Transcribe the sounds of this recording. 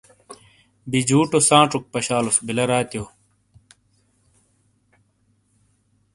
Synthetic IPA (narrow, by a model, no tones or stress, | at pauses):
bid͡ʑuːʈosãːʈ͡ʂuk̚pɐɕaːlusbilɐɾaːt̪joː